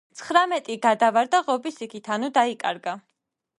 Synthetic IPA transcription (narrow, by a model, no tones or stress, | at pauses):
t̪sʰχɾamɛt̪ʼiɡad̪avaɾd̪aʁɔbisikʰit̪ʰanud̪aikʼa̰ɾɡa